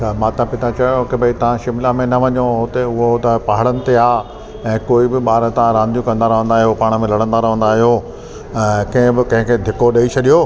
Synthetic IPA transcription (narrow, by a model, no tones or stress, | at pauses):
t͡ʃʰamãːt̪ãpɪt̪at͡ɕɐkebʱɐit̪ɐʋ̤ãʃɪmɪlamẽnɐʋɐɲoɦot̪eʊɦot̪ɐpaɦɽənɪ̆t̪eaː | ɛ̃ːkoːibɪɓaːɾət̪ãɾãːnd̪ijũkɐ̃nd̪aːɾɦõːnd̪aːɦijopaːɽ̃ə̆mẽlɐɽə̃nd̪aːɾɦõːnd̪aːɦijo | ɛ̃kɐ̃ɦɪ̃bɪkɐ̃ɦɪ̃kʰeːd̪ʱɪkoɗɐit͡ɕʰɐɗijoː